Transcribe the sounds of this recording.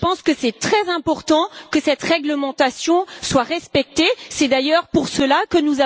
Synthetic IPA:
əpɑ̃skəsɛt̪χɛzɛ̃pɔʁt̪ɑ̃kəsɛt̪ʁɛɡləmɑ̃t̪asjɔ̃swaʁɛspɛk̚t̪esɛd̪ajœʁpuʁsəlakənuza

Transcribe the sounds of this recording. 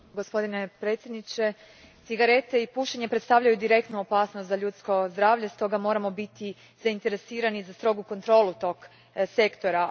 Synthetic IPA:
ɡospo̞d̪ine̞pɾe̞ːt̪sʲje̞d̪nit͡ʃe̞ | t̪siɡaɾe̞t̪e̞ipuːʃeɲe̞pɾet̪t̪aʋʎajud̪iɾe̞kt̪nuopaːsnost̪zaʎuːt̪sko̞zd̪ɾaːʋʎe̞st̪o̞ɡamo̞ːɾamo̞bit̪i | zaint̪e̞ɾe̞siːɾanizast̪ɾo̞ɡuko̞nt̪ɾo̞ːlˠut̪o̞ɡ | se̞kt̪o̞ɾa

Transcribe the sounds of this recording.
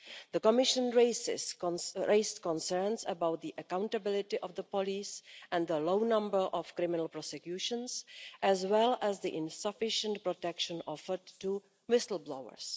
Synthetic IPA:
ðəkɔmɪʃə̃nɹeɪsɪ̰sɹeɪstkɔ̃nsə˞nsəbawt̪̚d̪iʔəkãwntabɪlɪtɪʔɔvd̪əpɔliːsʔɛ̃nd̪əlownãmbəɹʔɔfkɾɪmɪnəlˠpɾɔsɛkjuːʃə̃nsʔɛzwɛlɛzd̪iʔɪ̃nsafɪʃə̃nt̚pɾɔtɛkʃə̃nʔɔfəɹdtːu | wɪsl̩ˠblowə̰ɹs

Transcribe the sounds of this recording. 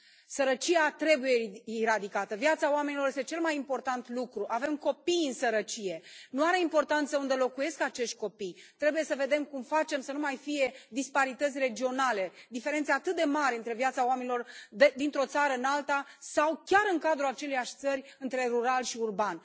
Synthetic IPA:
səɾət͡ʃijat̪ɾe̞bujeiɾad̪ikat̪əvjat̪saowame̞niloɾjest̪e̞t͡ʃe̞lmajimpo̞rt̪ant̪lukɾuʔave̞mko̞pijɨnsəɾət͡ʃije̞nuaɾe̞impo̞rt̪ant̪səund̪e̞lo̞kuje̞skat͡ʃeʃt̪̚ʲko̞pijt̪ɾe̞buje̞səve̞d̪e̞mkumfat͡ʃe̞msənumajfije̞d̪ispaɾit̪ət̪sʲre̞d͡ʒio̞nale̞d̪ife̞ɾe̞nt̪seat̪ɨt̪̚d̪e̞maɾʲeɨnt̪ɾe̞vjat̪saoame̞nilo̞rd̪ed̪int̪ɾo̞t̪saɾəɨnalt̪asawkʲaɾɨŋkad̪ɾuat͡ʃe̞lejaʃʲt̪səɾʲɨnt̪ɾe̞ɾuɾalʃiurbanʲ

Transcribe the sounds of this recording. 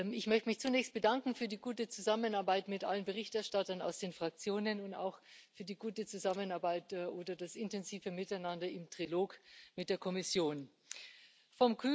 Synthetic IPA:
ɪçmœçtəmɪçt͡sunɛːçst̚b̥ədaŋkŋ̩fyːɐdiːɡuːtət͡suzamənaɐbaɪtmɪtʔa̰lənbəʁɪçtɛɐʃtatɐna̰ʊsd̥eːnfʁ̥ak̚t͡sjoːnənʊnta̰ʊxfyːɐdiːɡuːtət͡suzamənaɐbaɪtːʔoːdɐdasɪntɛnziːfəmɪtaɪnandɐɪmtʁ̥iloːkmɪt̚d̥eːɐkʰɔmɪsjoːn | fɔmkʰy

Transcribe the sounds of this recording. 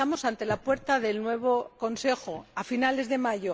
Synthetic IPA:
amo̞sant̪e̞lapwe̞ɾt̪aðe̞lnwe̞β̞o̞ko̞nse̞xoafinale̞zðe̞maʝo

